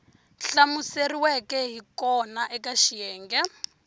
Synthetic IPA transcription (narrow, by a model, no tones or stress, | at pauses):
ɬamuseriwɛkɛɦikɔnaʔɛkaʃijɛːŋɡɛ